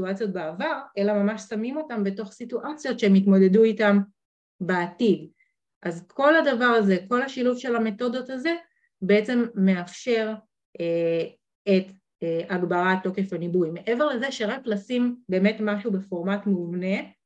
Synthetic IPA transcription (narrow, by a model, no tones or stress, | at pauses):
tuat͡sjo̞t̚baavaʁelamamaʃsamimo̞tambe̞to̞χsituʔat͡sijo̞tʃeemit̬mo̞de̞duitam | beatid | ʔazkʰo̞ladavaʁaze̞ko̞lhaʃiluvʃe̞lhame̞to̞do̞taze̞ | be̞et͡se̞mːe̞afʃe̞ʁ | ʔe | et | eaɡbaʁatːo̞ke̞fanibujmeʔeve̞ʁle̞zeʃeʁaklasimbe̞ːme̞tmaʃube̞fo̞ʁmatmuumne̞